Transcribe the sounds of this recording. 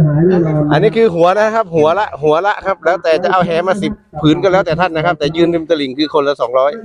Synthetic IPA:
ʔa˧nːiː˦˥kʰɯː˧ɦu˨˩˦ɐna˦˥˧kʰa˦˥p̚ɦu˨˩˦ɐla˧˥ʔɦu˨˩˦ɐla˧˥ʔkʰa˦˥p̚lɛː˦˥wt̪ɛː˨˩t͡ɕa˨˩ʔa˧wɦɛː˨˥maː˧si˨˩p̚ʰːɯː˩˦nka˧nlɛː˦˥wt̪ɛː˨˩a˧˩nːa˦˥kʰa˦˥p̚t̪ɛː˨˩jɯː˧nni˧mt̪a˧li˨˩˦ŋkʰɯː˧kʰo˧nla˧˥sɔː˩˦ŋɾɔː˦˥˩j

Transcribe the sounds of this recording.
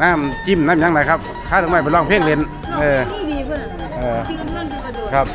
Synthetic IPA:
naː˧˥˨mt͡ɕi˧˩˨mnaː˧˥˨mɲa˧˥ŋda˨˧˥jkʰa˧˥p̚ | kʰaː˧˥˩ɾʰɯ˧˦ŋma˧˩plɔː˧˩ŋpʰeː˥˩ŋle˧˦n | ʔɤː˧˩ | ʔɤː˧˩ | kʰa˧˥p̚

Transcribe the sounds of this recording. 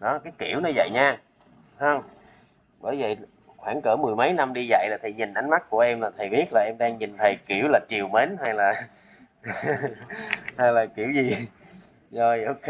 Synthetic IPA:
ɗɔ˨˦kaː˨˦jkḭ˧˩əwnɔ˨˧˦və̰˧˨jɲaː˧ | hə˧ŋ͡m | ɓəː˧˩jvə˨˩ | xwaː˧˩ŋkəː˧˩mɨ˨˩əjmə˨˦jna˧mɗi˧za̰˧˨jlaː˨˩t̪ʰə˨˩jɲi˨˩n̟ʔa˨˦jŋ̟ma˦˥t̚ku˧˩əʔɛ˧mlaː˨˩t̪ʰə˨˩jɓi˦˥ət̚laː˨˩ʔɛ˧mɗaː˧ŋɲi˨˩nt̪ʰə˨˩jki˧˩əwlaː˨˩t͡ɕi˨˩əwme˨˦nha˧jlaː˨˩ | ha˧jlaː˨˩ki˧˩əwzi˨˩ | zɔ˧jʔo˧k

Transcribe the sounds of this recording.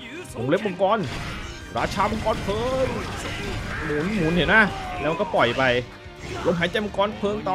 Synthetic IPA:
mo̰˨˦ŋle˦˥p̚ɓo˧ŋkɔː˧˥n | ɾaː˧˩t͡ɕʰaː˧˩mo˧ŋkɔː˧˩npʰɤː˧ŋ | muː˨˦nmuː˨˦nhi˨˩˦na˦˥lɛ˦˥ma˧kɔː˥˩pɔ˨˩jpa˧j | lo˧mɦaː˨˦t͡ɕa˧jmo˧ŋkɔː˧˥˨npʰɤː˧ŋt̪ɔː˧˩

